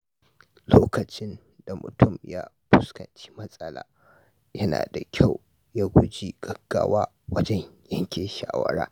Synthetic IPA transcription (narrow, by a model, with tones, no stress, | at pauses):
loː˦kɐ˨t͡ʃɪ˦n | da˨mʊ̰˨tʰʊ˦˨mjaː˦ | ɸʊ˦skɐ̰˨nt͡ʃe̥ː˦mɐ˦sʼɐ˦la̰ː˨˦ | jɐ˦na̰ː˨da˨kʲʰa˦˨w | ja˦ɡʷʊ˦d͡ʒi˦ɡ̥ɐ˦ɡ̥ːaː˦waː˦ | wɐ˦d͡ʒɛ˦ɲjɐ˦ŋkʲeː˨ʃaː˨wɐ̰˦ɾa̰ː˦